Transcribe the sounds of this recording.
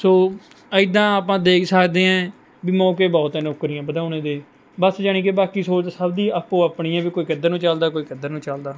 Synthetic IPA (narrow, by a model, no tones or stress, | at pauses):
soː | əɪd̪ãːaːp̬ãːd̪eːksəkd̪eːɛ̃ː | biːmɔːkeːbɔːt̪eːnokːɾɪjãːbəd̪aːnẽːd̪eː | bəsd͡ʒaːɳiːkebaːkiːsoːsəbd̪iːəpːoːaːpɳiːɛ̃ːbiːkoːiːkəd̪ːəɾnũːt͡ʃəld̪aːkoːiːkəd̪ːəɾnũːt͡ʃəld̪aː